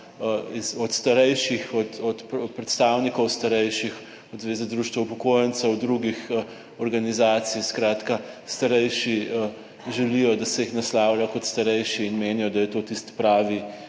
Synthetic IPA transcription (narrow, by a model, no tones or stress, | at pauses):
izɔt̪st̪aɾɛjʃixɔt̪ɔt̪pɾɛt̪st̪aːwnikɔwst̪ɐɾɛjʃix | ɔd̪zʋeːzɛd̪ɾuːʃt̪ʋɛwpɔkoːjənsəwd̪ɾuɡix | ɔɾɡanizaːt̪sijskɾaːt̪kast̪ɐɾɛjʃi | ʒɛlijɔd̪asɛjixnaslaːwlajɔkɔt̪st̪ɐɾɛjʃiːnmeːnijɔd̪ajɛt̪oːt̪ist̪pɾaːʋi